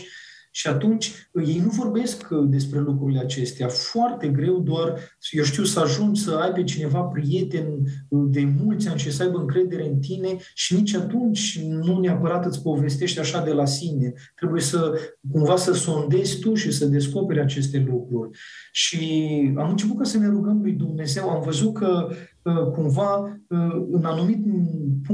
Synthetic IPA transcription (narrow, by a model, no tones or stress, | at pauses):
ʃiat̪unt͡ʃʲje̞jnuvo̞rbe̞skd̪e̞spɾe̞lukɾuɾile̞at͡ʃe̞st̪eafoart̪e̞ɡɾe̞wd̪oarjewʃ̬t̪iwsəaʒunsəajpe̞t͡ʃine̞vapɾije̞t̪e̞nʲd̪e̞mult̪sʲanʃisəajbəɨŋkɾe̞d̪e̞ɾe̞ɨnt̪ine̞ʃinit͡ʃʲat̪unt͡ʃʲnuneapəɾat̪ɨt̪sʲpo̞ve̞s̬t̪e̞ʃt̪ʲaʃad̪e̞lasine̞ | t̪ɾe̞buje̞səkumvasəsond̪e̞zʲt̪uʃisəd̪e̞sko̞pe̞ɾʲat͡ʃe̞s̬t̪e̞lukɾurʲʃia̰mɨnt͡ʃe̞p̬ut̪̚kasəne̞ɾuɡəmlujd̪umne̞ze̞wamvəzut̪̚kə | əkumvaəɨnanumit̪p